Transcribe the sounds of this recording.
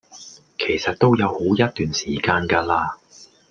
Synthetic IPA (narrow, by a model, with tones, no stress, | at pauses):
kʰe˨˩jsɐ˨t̚t̪o˥wjɐ˨˧who˨˥wjɐ˥t̚t̪ːyː˨nsiː˨˩kaː˧nkaː˧laː˧